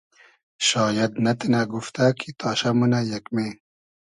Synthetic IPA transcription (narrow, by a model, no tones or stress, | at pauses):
ɕɑːjɐd̪nɐt̪inaɡuft̪akʰit̪ʰɑːɕamunajɐkme